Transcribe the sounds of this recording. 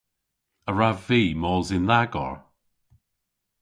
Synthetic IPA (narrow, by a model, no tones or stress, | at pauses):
əɹaviːmɔːlzɪnlaɡɔ̰ɹ